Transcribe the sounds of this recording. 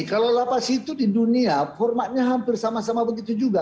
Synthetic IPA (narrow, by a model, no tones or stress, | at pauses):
kalawlapasit̪udiduniahɔrmat̪̚ɲaɦampɪrsamasamabəɡit̪ud͡ʒuɡa